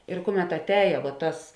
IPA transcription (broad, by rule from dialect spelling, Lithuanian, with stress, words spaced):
ɪr ˈkʊˌmʲɛt ɐtʲˈɛːjɛ ʋuɔ ˈtɐs